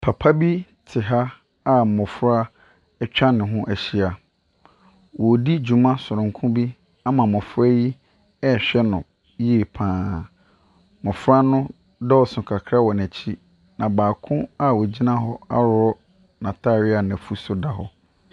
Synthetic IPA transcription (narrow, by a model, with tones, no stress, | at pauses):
pʰa˨pʰa˦bi˦tʰɪ˨ɦa˦ | a˦˨mʊ̃˨fʊ˦ɾa˦ | ɛ˦t͡ɕᶣa˦nɪ̃˨ɦʊ̃˦ʔæ˨ɕi˦a˨ | wɔ˨di˦d͡ʑu˨mã˦sʊ˨ɾʊ̃˨ŋkʰʊ̃˦bi˦ | a˦mã˨mʊ̃˨fʊ˦ɾa˦ji˦ | ɛ˦ɕᶣɛ˦nʊ̃˨ | je˦˨pʰãː˨˦˨ | mʊ̃˨fʊ˦ɾa˦nʊ̃˦ | dɔ˦ɔ˨sʊ̃˨kʰa˨kʰɾa˦wɔ˨næ˨t͡ɕʰi˦ | nã˨baː˨kʰʊ̃˦a˦wɔ˨d͡ʑi˦nã˦ɦɔ˦a̰˦ɾʊ˦ɔ˦ | nã˨tʰa˦˨ɾɪ˦a˨næ̃˨fu˦sʊ˦da˨ɦɔ˦